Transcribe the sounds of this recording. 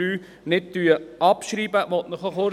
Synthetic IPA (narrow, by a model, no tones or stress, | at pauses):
yː | nɪt̚d̪yəɑpʃɾiːbəʋɔt̪nəχɔχoɾ